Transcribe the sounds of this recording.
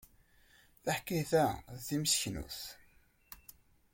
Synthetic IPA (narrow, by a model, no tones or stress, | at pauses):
θaħkːiθæðimsçnṵθ